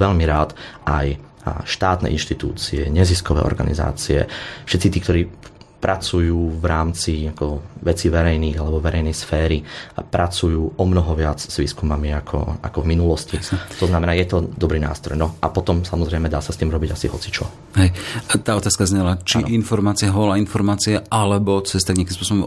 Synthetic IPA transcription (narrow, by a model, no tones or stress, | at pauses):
ʋɛʎmiɾaːt̪ʔaj | ʃt̪aːt̪nɛ̰ʔḭnʃt̪it̪ṵːt͡siɛɲɛziskɔʋɛ̰ːʔɔ̰ɾɡa̰nḭza̰ːt͡siɛ̰fʃɛt̪t͡sit̪iːk̚t̪ɔɾiː | pɾʔat͡sujuːʋɾaːmt͡siakɔʋɛt͡siːʋɛɾɛjniːɣalɛbɔʋɛɾɛɪjnɛjsfɛːɾipɾʔat͡sujuːʔɔmnɔɦɔʋɪat͡sz̥ʋiːskumamiakʰɔ̰a̰kɔvminulɔscit̪ɔznamɛnaːjɛt̪ɔd̪ɔbɾiːna̰ːst̪ɾɔjnɔʔapɔt̪ɔmsamɔzɾɛjmɛd̪aːsast̪iːmɾɔbiɟasḭɦɔt͡si̥t͡ʃɔ | ɦɛjt̪aːɔt̪aːskazɲɛlat͡ʃiinfɔɾmaːt͡siɛɦɔlainfɔɾmaːt͡siɛʔalɛbɔt͡sɛst̪aɡɲakimspɔsɔbɔm